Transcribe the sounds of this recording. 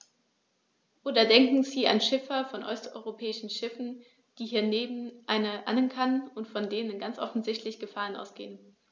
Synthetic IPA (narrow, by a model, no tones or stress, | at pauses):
ʔoːdɐdɛŋkŋ̩ziːʔa̰nʃɪfɐfɔnʔɔstʔɔ̰ʏʁopʰɛːɪʃn̩ʃɪfn̩ | d̥iːhiːɐneːbm̩ʔaɪnɐʔa̰nənkʰanʊntfɔndeːnənɡant͡sʔɔfn̩zɪçtlɪçɡ̥əfaːʁ̞ənʔa̰ʊsɡ̥ḛːən